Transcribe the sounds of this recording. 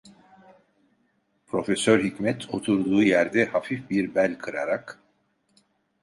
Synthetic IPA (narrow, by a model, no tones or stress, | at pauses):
pʰɾo̞fesøɾɦicmɛt̪ʰo̞t̪ʰuɾd̪uːjæɾd̪ɛhafifbiɾbælʲkʰɯɾa̰ɾak